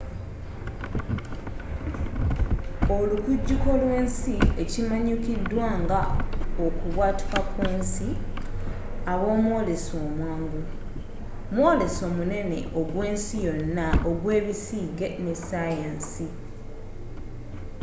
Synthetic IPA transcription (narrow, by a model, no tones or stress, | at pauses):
o̞lukuɟːuko̞lwe̞ːnsie̞cimaɲukidːwaːŋɡaokuβwaːti̥kakweːnsi | aβo̞ːmwo̞ːlesoːmwaːŋɡu | mwo̞ːle̞so̞mune̞ne̞̰ʔoɡwe̞ːnsijo̞nːaoɡwe̞ːβisiːɡe̞ne̞sajansi